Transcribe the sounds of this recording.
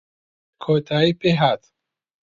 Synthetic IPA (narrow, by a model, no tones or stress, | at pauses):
kʰot̪ʰaipeɦat̪